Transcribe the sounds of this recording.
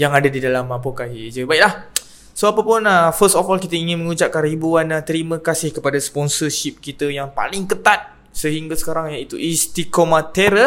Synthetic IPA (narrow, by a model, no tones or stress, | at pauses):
jaŋadadidalamapokaɦid͡ʒəbaik̚lah | soapapʊnəfəst̪ɔfɔlkit̪əiŋɪnməŋut͡ʃaʔ̚kanribuanat̪əɾimə̃kasɪhkəpadaspɔnsərʃip̚kit̪əjaŋpa̰lɪŋkət̪at̪̚ | səɦiŋɡasə̥kaɾaŋjait̪uʔist̪ikomat̪eɾə